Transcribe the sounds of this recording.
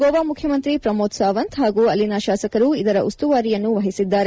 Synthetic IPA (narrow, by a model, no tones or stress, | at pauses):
ɡɔːʋaːmukʰjɐmɐnt̪ɾipɾɐmoːt̪saːʋɐnt̪ɦaːɡuːɐlːinɐʃaːsɐkɐɾuid̪ɐɾɐʔust̪uʋaːɾijɐnːuʋɐɦisid̪ːaːɾe